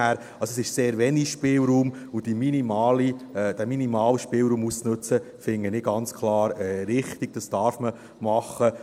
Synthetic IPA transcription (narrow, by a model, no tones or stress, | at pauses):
æːɾ | ɑlsɔɛsɪʃseːɾʋɛniʃpɪːlɾuːm | ud̥iminimɑːlid̥æminimɑːləʃpɪlɾuːmust͡snɵt͡sə | fɪŋːənɪɡɑnt͡skʰlɑːɾɛːɾɪχt̪iɡ̚d̥ɑsd̥ɑːɾfmə | mɑχːə